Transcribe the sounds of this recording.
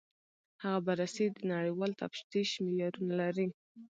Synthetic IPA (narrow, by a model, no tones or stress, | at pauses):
haɣabaɾased̪ənaɽəjwɑlt̪afʃt̪iʃmɪjɑɾunalaɾi